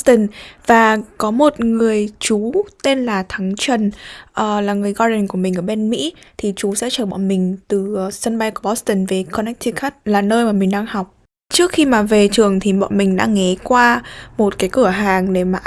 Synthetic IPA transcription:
t̪ə˨˧˩nvaː˨˩kɔ˨˦mo˨˩t̚ŋɨ˨˩əjt͡ɕu˨˦t̪e˧nlaː˨˩t̪ʰa˨˦ŋt͡ɕwə˨˩nʔəː˨˩laː˨˩ŋɨ˨˩əjɣɔ˧ɗə˨˩ŋku˧˩əmï̟˨˩ʔəː˧˩ɓe˧nmḭ˧˥t̪ʰi˨˩t͡ɕu˨˦sɛ̰˧˥t͡ɕəː˧˩ɓɔ̰˧˨nmï˨˩ŋ̟t̪ɨ˨˩sə˧nɓa˧jku˧˩ə˩ɓɔ˦˥st̪ə˧˩nve˨˩kʰɔ˧nɛ˦˥k̚t̪ʰi˧xaː˦˥k̚laː˨˩nəː˧jmaː˨˩mï˨˩ŋ̟ɗaː˧ŋhɔ˨˩wk͡p̚ | t͡ɕɨ˦˥ək̚xi˧maː˨˩ve˨˩t͡ɕɨ˨˩əŋt̪ʰi˨˩ɓɔ̰˧˨nmï˨˩ŋ̟ɗa̰ː˧˥ŋŋɛ˨˦kwaː˧mo˨˩t̚kaː˨˦jkɨ˧˩əɦaː˨˩ŋɗe˧˩maː˨˩ʔ

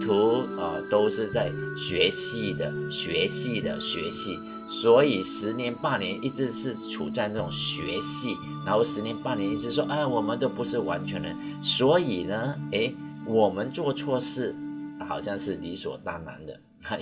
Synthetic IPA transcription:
t̪ʰu˧˥ə̰˧t̪o˥ʊʂɻ̩˥˧t͡sa˥˩ɪɕɥɛ˧˥ɕi˥˩d̪ə̰˩ɕɥɛ˧˥ɕi˥˩d̪ə̰˩ɕɥɛ̰˧˥ɕi˥˩ | swɔ˧˥i˨˩ʂɻ̩˧˥njɛ˧˦˥npa˥˩njɛ˧˥nʔi˥˧ʈ͡ʂɻ̩˥˧ʂɻ̩˥˩ʈ͡ʂʰṵ˨˩t͡sa˥˧ɪna˥˩ʈ͡ʂʊ˨˩ŋɕɥɛ˧˥ɕi˥˩ | na˧˥nxo˥˩ʊʂɻ̩˧˥njɛ˧˥npa˥˩njɛ˧˥ni˥˧ʈ͡ʂɻ̩˥˧ʂ̬wɔ˥ʔa˥˧wɔ˨˩mə˨˦nt̪o˥˩ʊpu˧˥ʂɻ̩˥˩wa˧˥nt͡ɕʰɥɛ˧˥nd̪ə˧swɔ˧˥i˨˩nə˦e˥˩ɪ | wɔ˨˩mə˦nt͡swɔ˥˧t͡sʰwɔ˥˧ʂɻ̩˥˩xɑ̰˨˩ʊɕjɑ˥˧ŋʂɻ̩˥˩li˧˥swɔ̰˨˩t̪a˥˩na̰˧˥nd̪ə̰˧˥˧

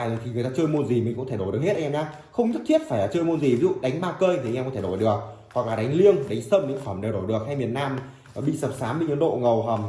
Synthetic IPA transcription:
aː˨˩jə˨˩t̪ʰi˨˩ŋ˨˩jt̪aː˧t͡ɕɨ˧jmo˧nzi˨˩mï˨˩ŋ̟kʊ̰˧˥t̪ʰe˧˩ɗo˧˩ɨ˨˩əkhe˦˥ʔɲaː˧ | xə˧wŋ͡mɲ˦˥t̚t̪ʰi˦˥ət̚faː˧˩jlaː˨˩t͡ɕɨ˧jmo˧nzi˨˩vi˨˦zṵ˧˨ɗa˨˦ŋ̟ɓaː˧kəː˧jt̪ʰi˨˧ŋ˧kːt̪ʰe˧˩˨o˧˩jɗɨ˨˩ək̚ | hwa˨˩k̚laː˨˩ɗa˨˦jŋ̟li˧əŋɗa˨˦ŋ̟səː˧mɲɨ̰˧˥ŋfə˧˩mɗe˨˩wɗo˧˩jɗɨ˨˩ək̚ha˧jmi˨˩ən̚naː˧m | ɓḭ˧˨sə˨˩p̚saː˨˦mɓḭ˧˨ɲɨ˨˧˦nɗo̰˧˨ŋə˨˩wɦəː˨˩m

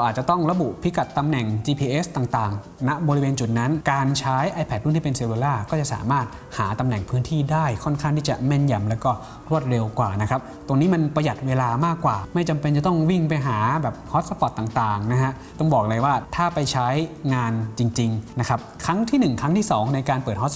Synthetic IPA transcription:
ɾa˧wʔaː˨˩t̪̚t͡ɕa˨˩t̪ɔ˥˩ŋɾa˧bu˨˩pʰi˦˥ka˨˩t̪ːa˧mnɛ˨˩ŋt͡ɕiː˧pʰiː˧ʔe˦˥st̪aː˨˩ŋt̪aː˨˩ŋ | na˦˥bɔː˧ɾi˦weː˧nt͡ɕu˨˩t̪̚na˦˥nkaː˧nt͡ɕʰaː˦˥jʔa˧jpʰɛ˨˩t̪̚u˥˩nt̪ʰi˥˩pe˧nsi˨˩˧weː˧laː˥˩kɔː˥˩t͡ɕa˨˩ʔsa̰ː˩˦maː˥˩t̪̚ | haː˩˦t̪a˧mnɛ˨˩ŋpʰɯː˦˥nt̪ʰiː˥˩daː˥˩jkʰɔ˥˩nkʰaː˥˩ŋt̪ʰiː˥˩t͡ɕa̰˨˩me˥˩nja˧mlɛː˦˥wkɔː˥˩ | ɾu˥˩ət̪̚ɾe˧wkwaː˨˩na˦˥kʰa˦˥p̚t̪o˧ŋniː˦˥ma˧npɾa˧ja˨˩t̪̚weː˧laː˧maː˥˩kːwaː˨˩ma˥˩jt͡ɕa˧mpe˧nt͡ɕa˨˩t̪ɔ˥˩ŋwi˥˩ŋp̬a˧jɦaː˩˦bɛː˨˩p̚hɔ˦˥t̪̚sa˧pɔ˨˩t̪ːaː˨˩ŋt̪aː˨˩ŋna˦˥ɦa˦˥ʔ | t̪ɔ˥˩ŋbɔː˨˩k̚lɤ˧jwaː˥˩t̪ʰaː˥˩pa˧jt͡ɕʰa˦˥jŋaː˧nt͡ɕi˧ŋt͡ɕi˧ŋna˦˥kʰa˦˥p̚kʰɾa˦˥ŋt̪ʰiː˥˩nɯ˨˩ŋkʰa˦˥ŋt̪ʰiː˥˩sɔː˩˦ŋna˧jkaː˧npɤː˨˩t̪̚hɔ˦˥s

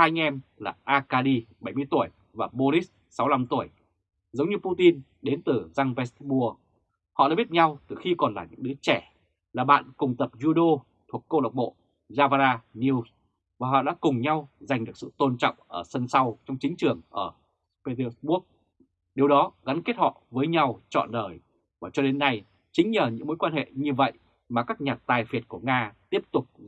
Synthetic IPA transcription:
aː˧jŋʔɛ˧mlaː˨˩ʔaː˧kaː˧li˧ɓə˧˩jmɨ˧əjt̪u˧˩əj | vaː˨˩ɓo˧ɾi˦˥ | sa˨˦wla˧mt̪u˧˩əj | zə˨˦wŋ͡mɲɨ˧pu˧t̪i˧n | ɗe˨˦nt̪ɨ˨˩za˧ŋvɛ˧˦˥sɓu˧ə | hɔ̰˧˨ɗa̰ː˧˥ɓi˦˥t̚ɲa˧wt̪ɨ˨˩xi˧kɔ˨˩nlaː˨˩ɲɨ̰˧˥ɗɨ˨˦ət͡ɕɛ˧˩ | laː˨˩ɓa̰ː˧˨nkʊ˨˩ŋ͡mt̪ə˨˩p̚zu˧ɗo˧ | t̪ʰu˨˩əkːo˧la˨˩wk͡p̚ɓo̰˧˨ | zaː˧va˧zaː˧ni˧wz | vaː˨˩ɦɔ̰˧˨ɗa̰ː˧˥kʊ˨˩ŋ͡mɲa˧wza˨˩ŋ̟ɗɨ˨˩ək̚sɨ̰˧˨t̪o˧nt͡ɕɔ̰˧˨wŋ͡mʔəː˧˩sə˧nsa˧wt͡ɕɔ˧wŋ͡mt͡ɕï˨˦ŋ̟t͡ɕɨ˨˩əŋʔəː˧˩ | pe˧t̪sɓu˦˥ək̚ | ɗi˨əwɗɔ˨˦ɣa˨˦nke˦˥t̚hɔ̰˧˨vəː˨˦jɲa˧wt͡ɕɔ̰˧˨nɗəː˨˩j | vaː˨˩t͡ɕɔ˧ɗe˨˦nːa˧j | t͡ɕï˨˦ŋ̟ɲəː˨˩ɲɨ̰˧˥ŋmo˨˦jkwaː˧nhḛ˧˨ɲɨ˧və̰˧˨j | maː˨˩kaː˦˥k̚ɲaː˨˩t̚t̪aː˨˩jfi˨˩ət̚ku˧˩əŋaː˧t̪i˦˥əp̚t̪ʊ˨˩k͡p̚

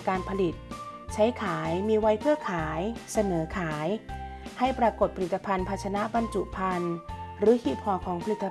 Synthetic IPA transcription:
kaː˧npʰa˧li˨˩t̪̚t͡ɕʰa˦˥jkʰaː˩˦jmiː˧wa˦˥jpʰɯ˥˩ɐkʰaː˩˦jsa˧nɤː˩˦kʰaː˩˦jha˥˩jpɾaː˧ko˨˩t̪̚pʰɾi˨˩t̪ːa˧pʰa˧npʰa˧t̪̚t͡ɕʰa˧na˦˥ba˧nt͡ɕu˨˩pʰa˧nɾɯː˩˦kʰiː˧˥˩pʰɔː˧˩kʰɔː˩˦ŋpʰa˧li˨˩t̪ːa˧

